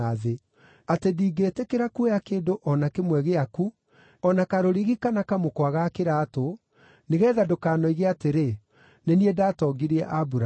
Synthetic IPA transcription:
aðe | atediːɡetɛkeɾakuejakeːdoʔɔnakemwɛɣeaku | ɔnakaɾoɾiɣikanakamokwaɣakeɾaːto | neɣɛːðadokaːnɔiɣeateɾe | neniɛdaːtɔɡiɾiɛʔabuɾa

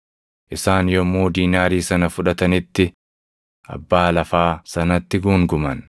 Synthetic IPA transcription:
ʔɪsaːnjɔmːoːd̪iːnaːɾiːsɐnɐfʊᶑɐt̪ɐnɪt̪ːɪ | ʔɐ̰bːaːlɐfaːsɐnɐt̪ːɪɡuːŋɡʊmɐn

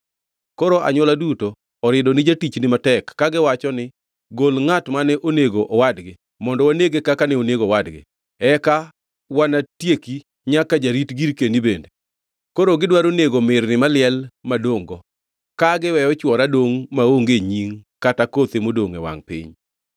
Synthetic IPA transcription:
koɾoʔa̰ɲwɔladutoː | ɾɪdɔnɪd͡ʒatit͡ʃnɪmatɛkːaɡɪwat͡ʃɔnɪ | ɡolŋatmanɛʔoneɡoʔɔwadɡɪ | mɔndɔwaneɡekakanɛoneɡowadɡɪ̰ | ɛka | wanatjeki | ɲakad͡ʒaɾitɡiɾkendibende | koɾoɡɪdwaɾoneɡomɪrnɪmalɪɛlmadoŋɡɔ | kaɡɪwɛjɔt͡ʃwɔɾadoŋmaoŋɡeɲiŋkatakot̪emodoŋɛ̰wa̰ŋpɪ̰ɲ

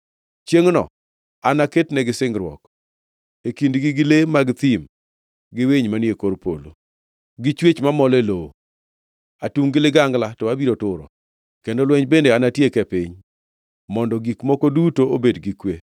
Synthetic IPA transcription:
t͡ʃjeŋnɔ̰ | anaketnɛɡɪsɪŋɡɾwɔ̰k | ekindɡɪɡɪlemaɡt̪ɪm | ɡɪweɲmanjekoɾpo̰lo̰ | ɡɪt͡ʃwet͡ʃmamɔleloo | atuŋɡɪlɪɡaŋɡlatɔabiɾotʊɾɔ̰ | kendolwɛɲbendeanatjekɛpɪɲ | mɔndɔɡikmɔkodutoobedɡikwe

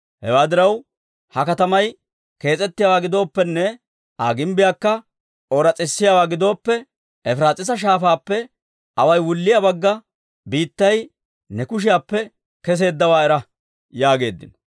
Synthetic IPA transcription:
hɛwaːd̪ɪɾɐw | hɐkɐt̪ɐmɐj | ke̞ːt͡sʼɛt̪ːɪjaːwaːɡɪd̪o̞ːpːɛnːɛ | ʔaːɡɪmbɪjaːkːɐ | oːɾɐt͡sʼɪsːɪjawaːɡɪd̪o̞ːpːɛ | ɛfɾaːt͡sʼɪs̬ɐʃ̬aːfaːpːɛ | ʔɐwɐjwʊlːɪjabɐɡːɐ | biːt̪ːɐj | nɛkʊʃ̬ɪjaːpːɛ | kɛs̬e̞ːd̪ːɐwaːɛɾɐ | jaːɡe̞ːd̪ːɪ̰n

